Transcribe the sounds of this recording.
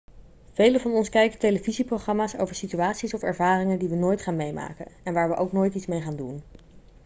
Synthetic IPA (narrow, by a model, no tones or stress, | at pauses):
v̥ejləvɑnɔnskɛjkətejləviziprowχrɑmaːso̰wvəɹsityaːtsisɔfɛ̰ɹvaːrɪŋəndiʋənoːjtχaːnmejma̰ːkənɛnʋaːɹʋəʔowknoːjtitsmejχaːndun